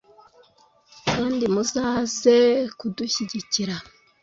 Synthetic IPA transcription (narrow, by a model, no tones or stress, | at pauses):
kaːndimuzaːzekuduçiɟiciɾa